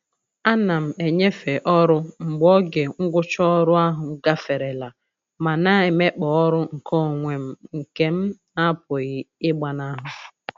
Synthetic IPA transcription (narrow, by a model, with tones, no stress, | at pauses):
a˦na˨m̩˨e˨ɲe˦fe˨ʔɔ˦ɾʊ˦ŋ͡m̩˨ɡ͡bɔ˦ɡe˨ŋ̩˦ɡʷʊ˦t͡ʃɔ˦ɾʊ˦a˦ɦʊ˨˦ɡa˦fe˨ɾe˨la˨ | ma˨na˦ɪ˨me˦k͡pɔ˨ɔ˦ɾʊ˦ŋ̩˨kʰɔ˦˨ŋʷe˨m̩˦ŋ̩˨ke˦m̩˦na˦p̚o˨ɣi˨ɪ˦ɡ͡ba˨na˦ɦʊ˨